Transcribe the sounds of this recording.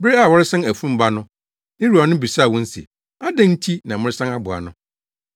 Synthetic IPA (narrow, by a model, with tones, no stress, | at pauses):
be˦a˨wɔ˦ɾɪ˦sã˦næ˨fũ˦m̩˦ba˦nʊ̃˦ | nɪ̃˦ɾu˨a˨nʊ̃˦bi˨sa˦˨wɔ̃˦n̩˦sḭ˨ | a˦dæ̃˦n̩˦tʰi˦nã˨mʊ̃˦ɾɪ˦sã˦a˦bʊ˨a̰˨nʊ̃˦